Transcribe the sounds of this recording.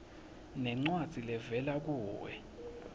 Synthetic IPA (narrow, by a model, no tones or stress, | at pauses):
nɛŋ͡ǀwad̥z̥ʱilɛvɛlak̬uːwɛ̰